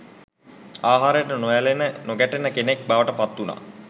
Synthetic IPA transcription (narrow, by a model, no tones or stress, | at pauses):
aːɦaːɾəjəʈənojælenənoɡæʈenəkenek̚baʋəʈəpat̪ːuna̰